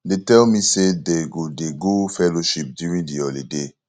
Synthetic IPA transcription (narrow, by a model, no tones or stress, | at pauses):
detɛlmisedeɡodeɡufɛloʃip̚djuɹĩŋdiɜlide